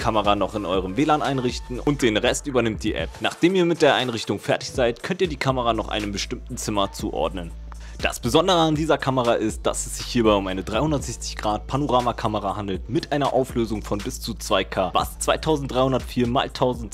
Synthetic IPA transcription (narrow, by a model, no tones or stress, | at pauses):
kʰaməʁanɔχɪnʔɔʏʁəmveːlaːnʔaɪnʁɪçtn̩ʊnt̚d̥eːnʁɛstʔyːbɐnɪmtd̥iːʔɛ̰pnaːχd̥eːmiːɐmɪt̚d̥eːɐʔaɪnʁɪçtʊŋfɛɐtɪ̥çz̥aɪtkʰœntiːɐdiːkʰaməʁanɔχʔa̰ɪnəmbəʃtɪmtn̩t͡sɪmɐt͡sṵːʔɔ̰ɐdnən | d̥a̰sb̥əzɔndəʁəandiːzɐkʰaməʁaʔɪst̚d̥a̰sɛsz̥ɪçhiːɐbaɪʊmʔaɪnədʁaɪhʊndɐtz̥ɛçt͡sɪ̥çɡ̥ʁaːt̚pʰanoʁaːmakʰaməʁahandl̩tmɪtʔaɪnɐʔaʊfløːzʊŋfɔnbɪst͡sut͡sv̥aɪkʰaːva̰st͡sv̥aɪtʰaʊzn̩td̥ʁaɪhʊndɐtfiːɐma̰ːltʰaʊzn̩t